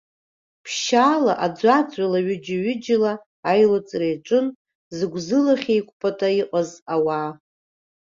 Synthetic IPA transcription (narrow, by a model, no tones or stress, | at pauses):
pʰʃaːlaʔad͡zʷat͡sʼalaɥɪd͡ʒaɥʏd͡ʒɪlaː | jlot͡sʼrejʈ͡ʂʷʼɨn | zɨɡʷzɨlaχʲejkʷʰʼpʰʼatʼaiqʼazawa